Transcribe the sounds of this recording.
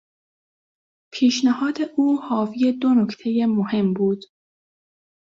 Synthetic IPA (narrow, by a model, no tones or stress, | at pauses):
pʰiːʃnæhɒːd̪eʔuːhɒːvije̞d̪onokʰt̪ʰe̞jemohe̞mbuːd̪̥